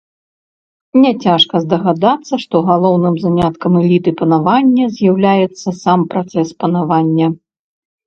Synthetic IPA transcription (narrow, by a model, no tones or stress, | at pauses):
nʲɛt͡sʲaʂkɐzd̪ɐɣad̪at̪sːɐʂt̪ɔɣalˠɔwnɨmzamʲat̪kɐmɛlʲit̪ɨpɐnavanʲːɐzʲjawlʲajɛt̪sːɐsampɾat̪sɛspɐnavanʲːɐ